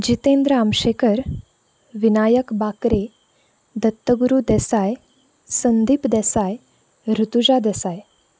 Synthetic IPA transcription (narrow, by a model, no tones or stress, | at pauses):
d͡ʑit̪ẽnd̪ɾəamɕekəɾ | ʋinajəkbakɾe | d̪ət̪ːəɡuɾud̪ɛsaj | sənd̪ipd̪ɛsaj | ɾut̪ud͡ʑad̪ɛsaj